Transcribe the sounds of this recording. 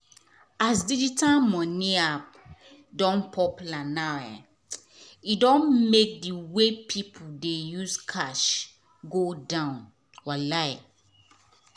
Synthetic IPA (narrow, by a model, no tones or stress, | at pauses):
asdid͡ʒitʰalmɔ̃niap̚ | dɔ̃npʰɔplanaɛ̰ | idɔ̃nmek̚diwepʰipʰuldejuzkʰaʃ | ɡodãʊ̃n | walaɪ